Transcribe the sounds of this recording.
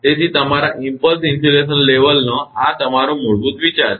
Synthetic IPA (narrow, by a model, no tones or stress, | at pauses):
t̪et͡ɕiːt̪əm̤aɾaʔimpəlsinsuleɕənleʋəlnəɦat̪əm̤aɾõːmuɭbuːt̪ʋit͡ɕaɾ